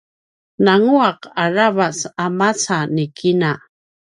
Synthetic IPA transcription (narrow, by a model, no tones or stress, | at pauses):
naŋuaqaɾaβasamat͡sanɪkɪna